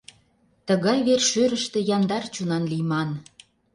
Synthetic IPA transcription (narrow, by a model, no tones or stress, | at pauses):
t̪əɣɑjβerʃøɾə̆ʃt̪ĕjɑnd̪ɑrt͡ɕunɑnlimɑn